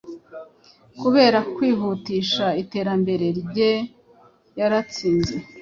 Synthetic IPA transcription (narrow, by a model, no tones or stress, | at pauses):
kuβe̞ːɾakwiːɦutiːʃaite̞ːɾambe̞ɾe̞ɾɟe | jaɾat͡siːnze̞